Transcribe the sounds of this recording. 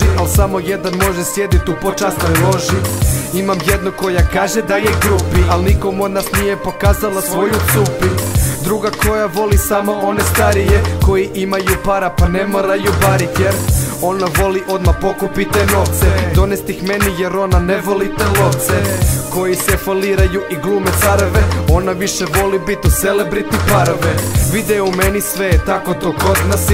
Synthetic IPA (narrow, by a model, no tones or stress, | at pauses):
iʔalsamojed̪anmo̞ʒesjed̪it̪upot͡ʃast̪nojlo̞ʒiimamjed̪nuko̞jakaːʒed̪ajeɡɾupiʔalnikomo̞d̪nasnijepo̞kaːzalˠasʋo̞jut̪upid̪ɾuɡako̞jaʋo̞lisamoʔonest̪aɾijeko̞jiʔimajupaɾapanemoɾajubaɾit̪jeɾo̞naʋo̞liʔo̞d̪mapo̞kupit̪eno̞ʋt̪sed̪o̞nest̪ixmenijeɾo̞naneʋo̞lit̪eloʋt̪seko̞jisɛfoliːɾajuʔiɡlˠuːmet̪saɾʋeo̞naʋiʃeʋo̞libit̪uselebɾit̪ipaɾoʋeʋid̪eumenisʋet̪akot̪oːkot̪nas